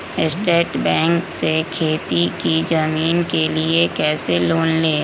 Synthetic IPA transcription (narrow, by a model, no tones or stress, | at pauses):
ɪsʈeːʈbɛ̃ːŋksekʰeːt̪ikid͡ʒɐmiːnkeliekɛːseloːnleː